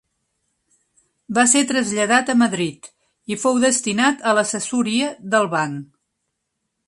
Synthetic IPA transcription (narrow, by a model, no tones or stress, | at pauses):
baset̪ɾəzʎəðat̪əməðɾit̪ | ifowðəst̪inat̪ələsəsuɾiəðəlˠβaŋ